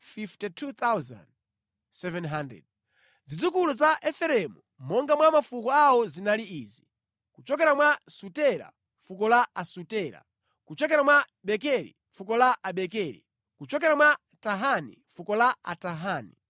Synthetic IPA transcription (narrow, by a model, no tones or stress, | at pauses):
fiftɛtʰut̪awza̰nd | sɛvɛnɦandɾɛ̰d̚ | zid͡zukuluzaʔɛfɛɾɛmu | mɔŋɡamwamafukɔawɔzinaliiːzi | kut͡ʃɔk̬ɛɾamwasutɛɾa̰ | fukɔlaasutɛːɾa̰ | kut͡ʃɔkɛɾamwa | ɓɛkɛɾḭ | fukɔlaʔaɓɛkɛɾḭ | kut͡ʃɔkɛɾamwa | taɦanḭ | fukɔlaa̰taɦaːnḭ